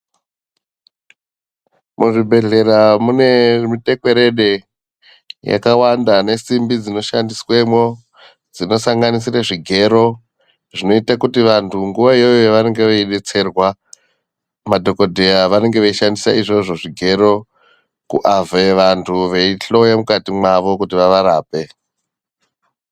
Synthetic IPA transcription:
muʐibʱe̞ɮe̞ɾamune̞mite̞kwe̞ɾe̞ɗe̞ | ja̰kawandane̞simbid͡zino̞ʃandiswe̞mwo̞ | d͡zino̞saŋɡanisiraʐiɡʱe̞ɾo̞ | ʐino̞itakutiʋantʰuŋɡuʋaijojoʋane̞ŋɡe̞ʋeiɗet͡se̞rwa | madʱo̞ko̞dʱejaʋane̞ŋɡe̞ʋet͡ʃiʃandisaiʐo̞ʐo̞ʐiɡʱe̞ɾo̞ | kṵʔaveʋantʰuʋe̞iɬo̞jamukatimwaʋo̞kutiʋaʋaɾaːpe̞

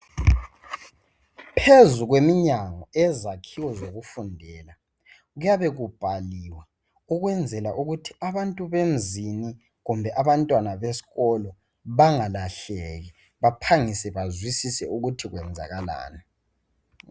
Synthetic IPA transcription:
pʰezuɣwemiɲaŋɔɛzakʰiwɔzoɣufundʱɛːla | ɣujaβɛɣub̥ʱaliwa | uɣwɛnd͡zʱɛlaʔuɣutʰiaβantʼuβem̩zini | ɣumbʱɛʔaβantʼwanaβesi̥ɣɔlɔ | βaŋalaɬeɣi | βapʰaŋisɛβazwisisɛuɣutʰiɣwɛnd͡zʱa̰ɣala̰ːna

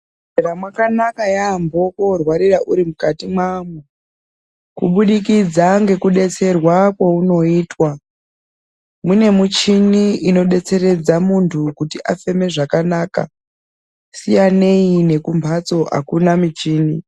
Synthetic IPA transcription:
eɾamwakanakajambo̞korwaɾiraʔuɾimukatimwamu | kuɓuɗikid͡zaŋɡe̞kuɗe̞t͡se̞rwakwauno̞iːtwa | mune̞mut͡ʃiniino̞ɗe̞t͡se̞ɾe̞d͡zamuntʰukutiʔa̰fe̞me̞ʐakanaːka̰ | sijane̞ine̞kumbʰʱat͡so̞ʔa̰kunamit͡ʃiːni

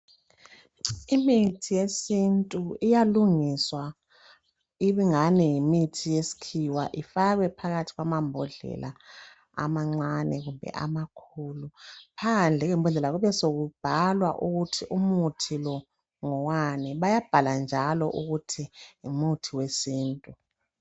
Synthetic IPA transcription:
imitʰijesintʼuijaluŋiswa | iβiŋanɛimitʰijesi̥kʰiwa̰ʔifaɣwɛpʰaɣatʰi̥ɣwamambʱɔɮɛ̰lʔa̰ | a̰maŋ͡ǀanɛɣumbʱɛ̰ʔa̰makʰulupʰand͡ɮʱɛɣɛmbʱɔɮɛlaɣuβɛsoɣub̥ʱalwa̰ʔuɣutʰiʔumutʰilɔ | ŋɔwanɛβajab̥ʱaland͡ʒʱalɔʔuɣutʰiumutʰiwesiːntʼu

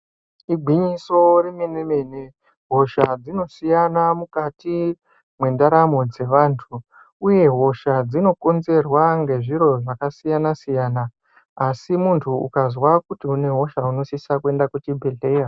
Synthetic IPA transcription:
iɡʱiɲiso̞remenemene | ɦo̞ʃad͡zino̞sijanamukati | mwe̞ndaɾamo̞d͡ze̞ʋaːntʰu | uje̞ɦo̞ʃad͡zino̞ko̞nze̞rwaŋɡe̞ʐiɾo̞ʐakasijanasijaːnaː | simuntʰuṵkazwakutiune̞ɦo̞ʃauno̞sisakue̞ndakwut͡ʃibʱeɮe̞ːja

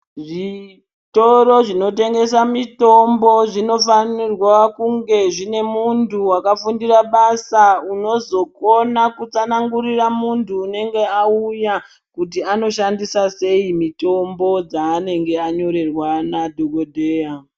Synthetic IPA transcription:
ʐi | to̞ɾo̞ʐino̞te̞ŋɡe̞samito̞mbo̞ʐino̞fanirwakuŋɡe̞ʐine̞muntuwakafundiraɓasauno̞zo̞konakut͡sanaŋɡuɾiramuntʰuːne̞ŋɡe̞auja | kut̬iano̞ʃandisase̞imito̞mbo̞d͡zaːne̞ŋɡe̞aɲo̞ɾe̞rwanadʱoɡodʱeːa

